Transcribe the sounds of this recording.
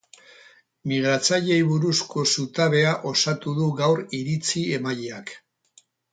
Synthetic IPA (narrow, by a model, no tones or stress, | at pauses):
miɣ̞ɾat͡saʎe̞jβuɾusko̞sut̪aβ̞e̞aʔo̞sat̪uðuɣawɾiɾit͡sie̞maʎeak